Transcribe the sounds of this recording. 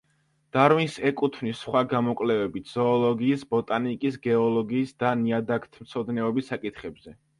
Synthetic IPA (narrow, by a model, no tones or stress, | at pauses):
d̪̥aɾwinsɛkʼut̪ʰvnisχwaɡamɔkʼlɛvɛbit̪ʰz̥ɔːlˠɔɡiːsbɔt̪ʼanikʼisɡɛɔlˠɔɡiːsd̪aniad̪akʰt̪ʰmt̪sʰɔd̪nɛɔbisːakʼit̪ʰχɛbz̥ɛ